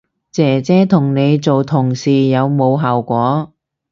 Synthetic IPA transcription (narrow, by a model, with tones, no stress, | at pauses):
t͡sɛː˨˩t͡sɛː˧˥t̪ʰʊ˨˩ŋne˨˧jt͡so˨wt̪ʰʊ˨˩ŋsiː˨˩jɐ˨˧wmo˨˧wɦaː˨˩wkʷɔː˨˥